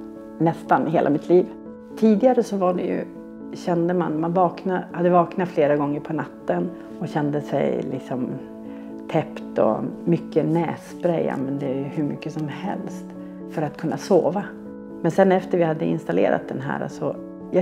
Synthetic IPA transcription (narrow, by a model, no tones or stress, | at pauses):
nɛst̪anɦeːlʔamɪt̪ʰliːv | t̪ʰiːd̪ɪɡaɾəsɔvaɖɛjɵ̰ | ɕɛnd̪əma̰nmanvɑːknahad̪ːəvɑːknat̪fleːɾaɡɔŋːəɾpʰɔnat̪ːən | ɔɕɛnd̪əsɛ̰jlɪ̰ksɔm | t̪ʰɛpt̪ɔ̰mʏkːənɛːspɾɛjːa̰mɛnd̪ɛjhɵɾmʏkːəsɔmhɛ̰lst̪ | fœɾat̪̚kʰɵnːʔasoːva | mɛnsɛnɛft̪əɾvɪhad̪ːəɪ̰nst̪alḛːɾa̰t̪̚d̪ɛnɦæ̰ːɾa̰sɔ | jɑ